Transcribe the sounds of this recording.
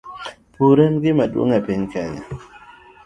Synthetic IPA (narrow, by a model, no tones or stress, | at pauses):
puɾɛnɡɪmadwo̰ŋapɪɲkɛɲa̰